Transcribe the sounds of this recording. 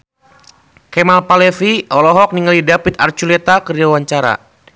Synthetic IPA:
kɛmalpalɛfiɔlɔɦɔk̚niŋalidapit̪̚a̰rt͡ʃulɛt̪akəriawaɲt͡ʃaɾa̰

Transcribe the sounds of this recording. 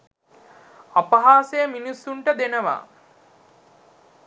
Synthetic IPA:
apɐɦaːsejminisːuɳʈəd̪enəʋa̰ː

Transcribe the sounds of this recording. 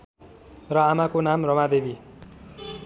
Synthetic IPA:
rʌamakonamrʌmad̪ebi

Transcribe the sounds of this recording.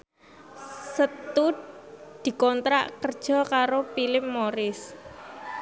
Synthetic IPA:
sət̪udd̪̥i̤kɔnt̪ɾa̰ʔkərd̥ʒ̥ɔ̤kaɾopilɪpːoɾɪs

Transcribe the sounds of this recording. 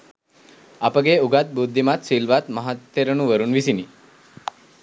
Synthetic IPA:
apəɡeuɡat̪̚bud̪ʱːimat̪ʃilʋat̪məɦat̪ːeɾənuʋəɾunʋisini

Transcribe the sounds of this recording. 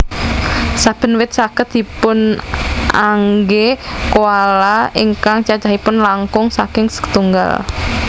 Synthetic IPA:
sab̥ə̤nwɪt̪̚sakət̪̚d̪̥ipʊn | a̰ŋɡekoalaiŋkaŋt͡ʃat͡ʃaɦipʊnlaŋkʊŋsakɪŋsə̥kt̪uŋɡa̰l

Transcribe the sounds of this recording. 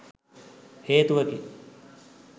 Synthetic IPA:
heːt̪uʋəke

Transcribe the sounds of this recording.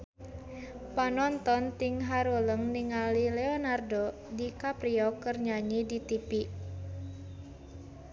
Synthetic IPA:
panɔnt̪ɔnt̪iŋɦaɾoləŋniŋalilɛɔnardo | dikapɾiɔkərɲaɲidit̪ipi

